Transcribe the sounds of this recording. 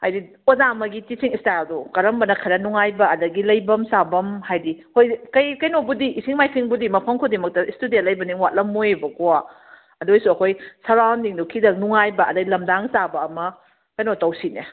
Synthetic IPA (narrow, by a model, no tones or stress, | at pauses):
hajdi | ozamɐɡitisiŋistajldukɐɾɐmbɐnɐkʰɐɾɐnuŋajbɐɐdɐɡilɐjbɐmsabɐmhajdihojkɐjkɐjnobudiʔːsiŋmajpʰiŋbudimɐpʰɐŋkʰodimɐk̚tɐistudialɐjbɐniŋwat̚lɐmːojbɐkoa | ɐdojsuɐkʰojsɐɾawndiŋdukʰidɐk̚nuŋajbɐʔɐdɐɡilɐmdaŋsabɐːmɐ | kɐjnotɐwsine